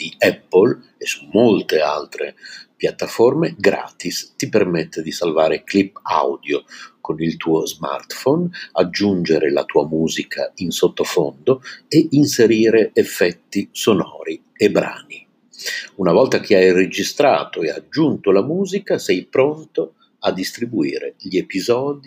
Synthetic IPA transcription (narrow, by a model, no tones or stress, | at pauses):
d̪̥iɛpːol | esːumːolt̪ealt̪ɾḛpjat̪ːaformeɡɾa̰ːt̪ist̪ipermɛt̪ːed̪isalvaːɾeklipːa̰wd̪jokonilt̪uːozma̰rt̪fɔnad͡ʒːund͡ʒeɾela̰t̪uːamuːzikʰa̰insot̪ːofond̪oeinseɾiːɾeefːɛt̪ːisonɔ̰ːɾi | ebːɾa̰ːni | unavɔlt̪ak̟ʰeajred͡ʒist̪ɾa̰ːt̪oead͡ʒːunt̪olamuːzikasɛjpɾont̪o | ad̪ːist̪ɾibuiːɾḛʎiepizɔːd̪i